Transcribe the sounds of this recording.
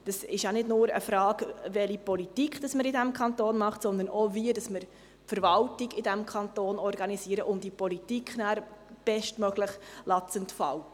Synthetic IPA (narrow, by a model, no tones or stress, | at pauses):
d̥ɑsɪʃjanɪdnʊːɾə̰fɾɑːɡvɛlipɔlitikχd̥ɑsməɾɪdæmkʰɑntoːnmɑχtsɔnd̪ənoviədɑsməɾ | pfəɾvɑltiɡɪdæmkʰɑnt̪oːnɔɾɡɑnisiːəɾəʔʊmdipɔlitikχnæːɾb̥ɛʃtmœɡləχlɑt͡səntfɑ̰l